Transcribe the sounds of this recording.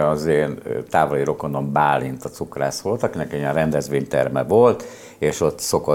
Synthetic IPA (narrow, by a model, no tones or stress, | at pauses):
ɒzeːnt̪aːvoliɾo̞ko̞no̞mbaːlint̪ɒt̪sukra̰ːsʋo̞lt̪ɒkinɛkɛijɛnrɛnd̪ɛzʋeːɲt̪ɛ̰rmɛ̰volt̪ | eːʃo̞t̪ːso̞ko